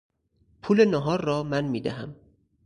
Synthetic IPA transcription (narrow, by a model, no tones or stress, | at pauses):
pʰuːlenɒɦɒːɾːɒːmænmiːd̪æɦæm